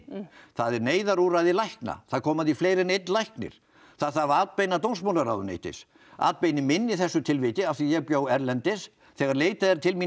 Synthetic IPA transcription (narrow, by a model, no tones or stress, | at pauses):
θaðɛɾneːjðaɾuɾaðɪlajhkna̰θaðkʰɔːmaðifleːjɾɪnejt̪nlajhknɪ̰ɾ̥ | θaðθavaːt̪̚pejnat̪ownsmawlaɾawðʏnḛːjt̪ɪ̰s | a̰ːt̪̚pejnɪmɪnːɪθɛsːʏt̪ʰɪlvɪːt̪ɪafθijɛɣpjoːwɛɾlɛnt̪ɪs | θɛːɣaɾleːjt̪aðɛɾt̪ʰɪlmi